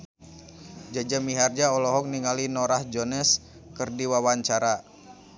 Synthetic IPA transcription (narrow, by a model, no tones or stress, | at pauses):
d͡ʒad͡ʒamiɦard͡ʒaɔlɔɦɔk̚niŋalinɔɾahd͡ʒɔnɛs | kərdiwawaɲt͡ʃaɾa